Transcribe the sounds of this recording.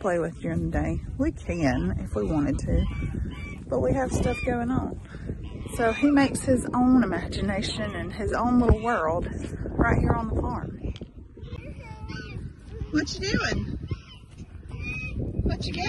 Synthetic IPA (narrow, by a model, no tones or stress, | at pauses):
pʰl̥eɪwɨðjɨɨ̃nðɨdeɪwikʰɨ̃nɪ̰fwiwɑ̃ɾ̃ɨd̚tʰʉ | b̥ʌʔ̚wiɨv̥stʌfɡ̥oʊɪ̃ŋə̃n | soʊimeɪkshɪzõʊ̃nɨmæd͡ʒɨneɪʃɨ̃nɨ̃nɪzõʊ̃nlɪɾl̩ˠwɜ˞lˠd̥ɹaɪt̚hiɹə̃nðəfɑɹm | wʌt͡ʃɨdʉɪ̃ŋ | wʌt͡ʃɨ